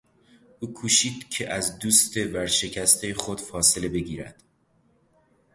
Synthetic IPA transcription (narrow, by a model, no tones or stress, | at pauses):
ʔuːkʰuːʃiːd̪̥cʰeʔæzd̪uːst̪ʰe̞bæɾʃe̞cʰæst̪ʰejexod̪̥fɒːse̞le̞be̞ɟiːɾæ̰d̪̥